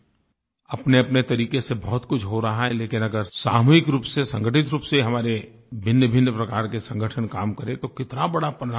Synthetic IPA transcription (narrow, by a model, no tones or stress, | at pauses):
ɐpneɐpnet̪ɐɾiːkesebɐɦʊt̪kʊt͡ʃʰɦoɾɐɦaɦɛleːkɪnɐɡəɾsaːmuːɪkɾuːpsesɐ̃ŋɡʱəʈɪt̪ɾuːpseɦɐmaːɾe | bʱɪnːəbʱɪnːəpɾɐkaːɾkesɐ̃ŋɡʱəʈʰənkaːmkɐɾẽt̪okɪt̪nabɐɽapɾa